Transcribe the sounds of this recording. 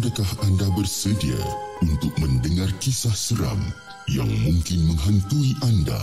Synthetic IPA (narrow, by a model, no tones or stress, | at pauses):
adakahandabərsədia̰unt̪ʊk̚mə̃ndəŋarkisahsəɾa̰m | ja̰ŋmuŋkɪnməŋɦənt̪uiʔanda̰